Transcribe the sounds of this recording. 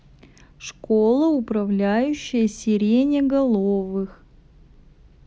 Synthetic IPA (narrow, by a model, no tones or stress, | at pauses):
ʂkolˠəʊpɾɐvlʲæjʉɕːɪjəsʲɪɾʲenʲɪɡɐlˠovɨx